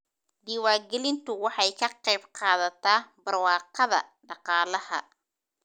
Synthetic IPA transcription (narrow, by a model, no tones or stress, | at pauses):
d̪iːwaːɡɛlɪnt̪ʰʊwɑħɑjkʰɐqɛjbqɑːðɐt̪ʰaːbɐrwɑːqɑðɐ̰ɖɑqɑːlɐhɐ̰